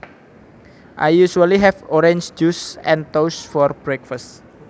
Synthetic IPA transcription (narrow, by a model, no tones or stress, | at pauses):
ʔajːuʃualiɦɛfɔɾẽɲsd͡ʒusɛ̃nt̪owsfɔrb̥ɾɛkfast̪